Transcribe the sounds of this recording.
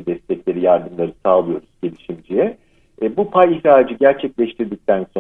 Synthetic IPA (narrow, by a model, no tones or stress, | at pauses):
d̪ɛst̪ʰɛclʲe̞ɾijaɾd̪ɯmlˠaɾɯsaːlˠɯjo̞ɾuz̥ɟe̞lʲiʃimd͡ʒijɛ | bupʰajiçɾaːd͡ʒɯɟæɾt͡ʃʰɛclʲɛʃt̪ʰiɾd̪ic̚t̪ʰænso